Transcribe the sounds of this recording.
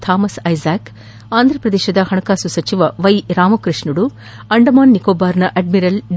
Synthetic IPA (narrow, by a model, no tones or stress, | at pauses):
t̪ʰaːmɐsɐjzaːk | aːnd̪ʱɾɐpɾɐd̪eːʃɐd̪ɐhɐɳɐkaːsusɐt͡ʃiʋɐʋɐjɾaːmɐkɾiʂɳuɽu | ɐɳɖɐmaːnːikoːbaːɾnɐʔɐɖmiɾɐlɖ